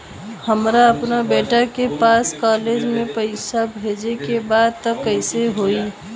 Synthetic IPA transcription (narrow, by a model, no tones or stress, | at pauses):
həmɾaəpnabeːʈakepaːskaːled͡ʒmẽpəɪsabʱeːd͡ʒekebaːd̪̚t̪əkːəɪseɦoːi